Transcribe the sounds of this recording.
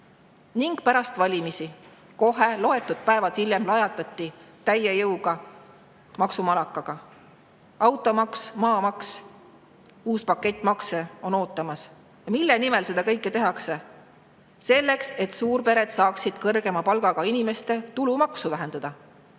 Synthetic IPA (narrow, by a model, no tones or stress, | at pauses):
niŋɡ̥̚pæɾɑst̪vɑlʲimisi | ko̞ɦe̞lo̞e̞t̪ːˑud̪̥̚pæevɑt̪hilʲje̞mlɑjɑt̪ːˑɑt̪ˑːit̪æjejɤwɡ̥ɑ | mɑksumɑlɑkːˑɑɡ̥ɑ | ɑwt̪ːˑo̞mɑksmɑːmɑks | uːspɑkːˑe̞t̪ʲːˑmɑkseo̞no̞ːt̪ːˑɑmɑs | jɑmilːenime̞lse̞d̪̥ɑkɤjkˑːet̪e̞ɦɑkse̞ | se̞lːe̞kse̞t̪suːrpe̞ɾe̞d̪̥sɑːksid̪̥kɤrɡ̥e̞mɑpɑlɡ̥ɑɡ̥ɑinime̞st̪e̞t̪ulumɑksuvæɦe̞nd̪̥ɑd̪̥ɑ